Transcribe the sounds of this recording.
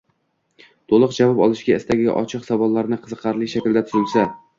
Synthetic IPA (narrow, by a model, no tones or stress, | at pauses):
t̪ʰolˠʊɨqd͡ʒavɒpɒlˠɪʃɡʲaɪst̪aɡʲa̰ʔɒ̰t͡ʃʰɨqχsɒbɒllːaɾnɪqʰɨzɨqʰːɑɾlɪʃakʲld̪at̪ʰʊzɪlˠsa